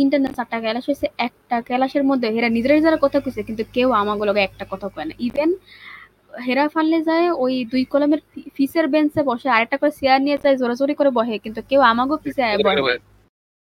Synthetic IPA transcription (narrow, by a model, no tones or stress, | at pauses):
iɳʈaɾnesak̚ʈakɛlaʃɦosʰeɛk̚ʈakɛlaʃeɾmod̪ʱːeɦeɾanid͡ʑeɾeɾd͡ʑaɾaɾkɔt̪ʰakusʰekint̪ukewamaɡolɔɡeɛk̚ʈakɔt̪ʰakɔena̰ʔiben | ɦeɾafalːed͡ʑaeojd̪ujkɔlomeɾfiseɾbensebɔʃeaɾek̚ʈakoɾesijaɾnijed͡ʑaezoɾad͡ʑoɾikoɾebɔɦekint̪̬ukewamaɡofiseajebɔ